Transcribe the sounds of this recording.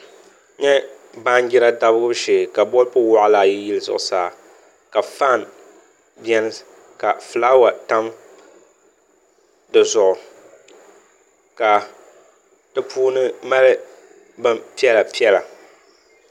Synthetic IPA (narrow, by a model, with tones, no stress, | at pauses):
ɲɛ˦ | ba˦n˦d͡ʒɪ˦ɾa˦da˦bɨ˦ɡʊ˦ʃe˨ka˨bɔ˦lpʊ˦wɔ˦ʔla˨jɪ˦jɪ˦lɨ˦zʊ̰˨ʔʊ˨saː˦˨ | ka˨fa˦˨n | bjɛ˦nɨ˦ | ka˨fɨ˨laː˦wa˨ta˦m | dɨ˨zʊ˨ʔʊ˨ | ka˨ | tɨ˦pʰuː˦nɨ˦ma˦lɨ˦ | bɨ˦mpi˦ɛ˦la˨pi˦ɛ˦la˨